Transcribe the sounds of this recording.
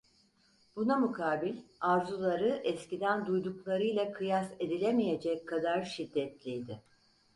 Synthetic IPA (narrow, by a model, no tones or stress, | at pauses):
bunamukʰaːbilʲaɾzulˠaɾɯʔɛscid̪ænd̪ujd̪uklˠaɾɯjlˠakʰɯjase̞d̪ilʲemije̞d͡ʒɛcʰːad̪aɾʃid̪ːɛt̪lʲijd̪ɪ